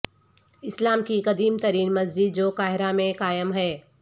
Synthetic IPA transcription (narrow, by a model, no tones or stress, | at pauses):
ɪslaːmkikɐd̪iːmt̪ɐɾiːnmɐzd͡ʒɪd̪̚d͡ʒoːkaːɦɪɾamẽkaːjəmɦɛː